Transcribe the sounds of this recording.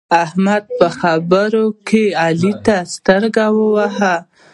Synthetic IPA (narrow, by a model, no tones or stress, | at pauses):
ahmad̪̚pəxabəɾokʰealit̪ast̪əɾɡawəwaɦa